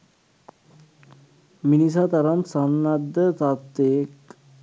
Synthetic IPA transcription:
minis̬at̪aɾansanːad̪ːət̪at̪ek

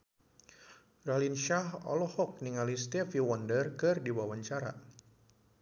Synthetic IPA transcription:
ralinʃahɔ̰lɔhɔk̚niŋalist̪ɛfiwɔndərkɨrdiwawaɲt͡ʃaɾa̰

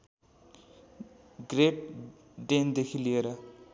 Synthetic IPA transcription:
ɡrep̚ | ɖend̪ekʰilijeɾʌ

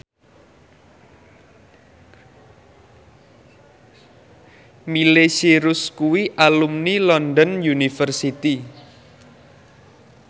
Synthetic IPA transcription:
milesiɾʊskuwiʔalumnilɔnd̪ɔnjunifərsit̪i

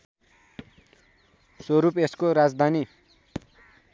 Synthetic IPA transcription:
swʌɾupeskoɾad͡zd̪ʱani

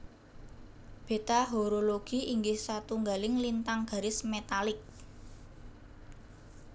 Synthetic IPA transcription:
b̥e̤t̪aɦoɾoloɡ̥i̤ʔiŋɡɪhsat̪uŋɡalɪŋlint̪aŋɡ̥a̤ɾɪsmet̪alɪk̚

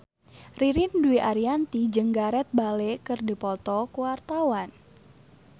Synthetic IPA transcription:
riɾinduiʔaɾiant̪id͡ʒɨŋɡaɾɛt̪̚balekɨrdipɔt̪ɔkuwart̪awan

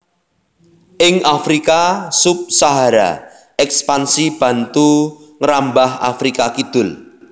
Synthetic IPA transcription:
ʔɪŋafɾikasʊp̚saɦaɾa̰ | ɛkspansib̥ä̤nt̪u | ŋəɾambaha̰fɾikakid̪̥ʊ̤l

